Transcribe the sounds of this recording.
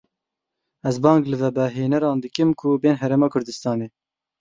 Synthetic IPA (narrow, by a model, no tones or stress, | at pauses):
ɛzbɑːŋɡlɨvɛbɛɦeːnɛɾɑːnd̪ɨkɨmkʰʊbeːnɦɛɾeːmɑːkʰʊɾd̪ɨst̪ɑːneː